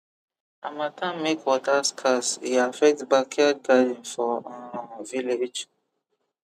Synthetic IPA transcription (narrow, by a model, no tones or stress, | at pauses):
amãtʰãmekwɔtaskʰasiafɛk̚tbakʰɛtɡadĩnfɔãviled͡ʒ